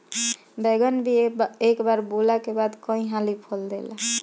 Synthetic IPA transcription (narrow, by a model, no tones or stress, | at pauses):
beɡənbʱiekbaɾbolakebad̪kɔ̃ĩɦãlipʰɔld̪ḛla